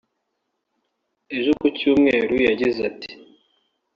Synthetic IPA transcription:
e̞ʒokucuːmŋe̞ːɾujaɟizati̥

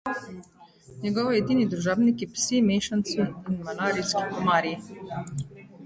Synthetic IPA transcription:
ɲɛɡɔːʋɔjɛd̪iːnid̪ɾuʒaːbnikjɛpsimeːʃant̪siinmanaːɾiskikɔmaːɾji

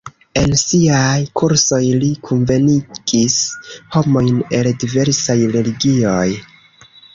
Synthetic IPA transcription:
e̞nsiajkʰuɾso̞jlikʰunve̞niɡ̥isho̞mo̞jne̞ldive̞ɾsajɾe̞liɡio̞j

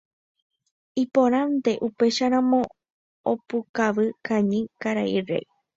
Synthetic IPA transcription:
ĩpõɾ̃ãnd̪e̞ʔupe̞ʃaɾãmõ̞ | opukaʋɨkãɲĩkaɾaire̞̰j

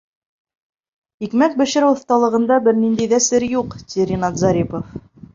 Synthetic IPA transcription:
ikmæk̚bɘ̆ʃɘ̆ɾɘwŏθt̪ɑlˠɤ̆ʁɤ̆nd̪ɑbɘɾnind̪æijðæsɘɾjuqt̪ʲiɾʲinɑt̪zɑɾʲipof

